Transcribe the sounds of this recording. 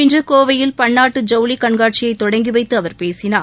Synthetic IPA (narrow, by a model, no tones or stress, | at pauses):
ɪndrɐkoːʋɐjɪlpɐɳːaːʈːɯd͡ʒɐʊlikɐɳɡaːʈ̚t͡ʃɪjɐɪt̪ːɔɽɐŋɡiʋɐɪt̪ːɯɐʋɐɾpeːsɪnaː